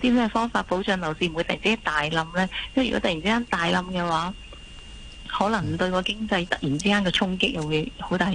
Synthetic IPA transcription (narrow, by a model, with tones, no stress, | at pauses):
t̪iː˥mɛː˥˩fɔː˥ŋfaː˧t̚po˨˥wt͡ʃœː˨˧ŋlɐ˨˩wsiː˧m˨˧jt̪ɐ˩jt͡siː˥kaː˥nt̪aː˨jlɐ˧mlɛː˥jɐ˥mjy˨kɔ̰˨˥t̪ɐ˨ji˨˩nt͡siː˥aː˥nt̪aː˨jlɐ˧mkɛː˧waː˨˥ | hɔː˨˥lɐ˨˩ŋt̪ɵ˧ɥkɔː˧kɪ˥ŋt͡sɐ˧jt̪ɐ˨k̚jiː˨˩nt͡siː˥kaː˥nkɛː˧t͡ʃʰʊ˥ŋkɪ˥k̚jɐ˨˩wu˨˧jho˨˧wt̪aː˨